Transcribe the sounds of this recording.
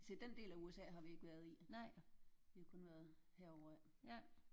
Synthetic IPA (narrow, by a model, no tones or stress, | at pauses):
sed̥end̥e̝̰ːlæuesɛ̰ːɦɑ̈ʋie̝ɡ̥ʋæɐð̞ˠi | ʋihɑkʰɔ̽nʋæɐðˠheɐ̰ɒʊ̰ɐæ